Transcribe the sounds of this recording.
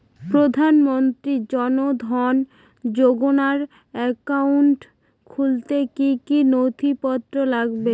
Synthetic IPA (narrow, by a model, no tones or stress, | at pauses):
pɾod̪ʱanmont̪ɾid͡ʑɔnod̪ʱɔn | d͡ʑoɡonaɾ | ɛkawɳʈ | kʰult̪ekikinot̪ʰipɔt̪ːɾolaɡbe